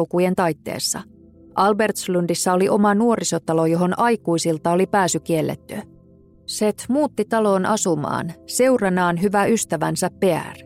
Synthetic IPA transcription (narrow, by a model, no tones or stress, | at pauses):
kuje̞nt̪ɑjt̪ːḛːsːɑ̰ | ʔɑlbe̞rt̪slyndisːɑo̞liʔo̞mɑnuo̞ɾiso̞t̪ɑlo̞jo̞ɦo̞nʔɑjkuisilt̪ɑo̞lipæːsyk̟ie̞lːḛt̪ːy | set̪muːt̪ːit̪ɑlo̞ːnʔɑ̰sumɑ̰ːnse̞wrɑnɑːnɦyʋæyst̪æʋænsæpːe̞æ̰r